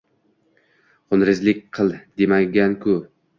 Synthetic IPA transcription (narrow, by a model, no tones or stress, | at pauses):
qʰʊnɾɪzlɪk̚ʲqʰɨlˠd̪emaɡʲankʰʊ